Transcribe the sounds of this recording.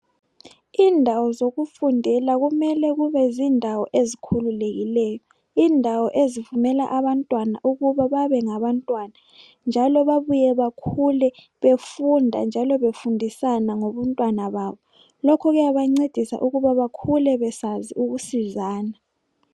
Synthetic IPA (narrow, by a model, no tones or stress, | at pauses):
iːndʱawɔzoɣufundʱɛlaɣumɛlɛɣuβɛziːndʱawɔʔezikʰululeɣilɛːjɔ | iːndʱawɔʔezivumɛla̰ʔaβantʼwana̰ʔuɣuβaβaβɛŋaβantʼwana | nd͡ʒʱalɔβaβujɛβakʰulɛ | βefundʱa̰nd͡ʒʱalɔβefundʱisanaŋoβɔntʼwanaβaːβɔ | lɔkʰɔɣɛjaβaŋ͡ǀed̥ʱisa̰ʔuɣuβaβakʰulɛβɛsaziuɣusizaːna